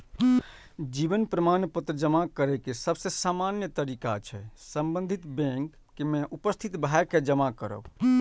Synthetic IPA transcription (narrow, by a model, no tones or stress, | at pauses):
d͡ʒibənpɾəmanpət̪ɾəd͡ʒəmakəɾɛkesəbsesaːmanjət̪əɾikat͡ʃʰɛ̰səmbə̃nd̪ʱit̪bẽŋkːemẽʔupəst̪ʰit̪bʱaeked͡ʒəmakəɾə̰